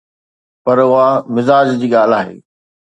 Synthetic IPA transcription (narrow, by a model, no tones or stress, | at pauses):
pɐɾʊɦamɪzaːd͡ʑd͡ʑiːɠaːl̤aːɦḛː